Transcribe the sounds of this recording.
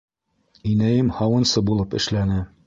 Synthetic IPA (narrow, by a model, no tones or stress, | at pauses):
inæjɘmhɑwɤ̆nsɤbulˠɤpɘ̆ʃlænɘ